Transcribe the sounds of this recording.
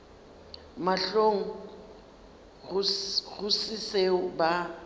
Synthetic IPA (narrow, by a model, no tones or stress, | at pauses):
maɬoŋ̩ | ɣɣʊsiseʊba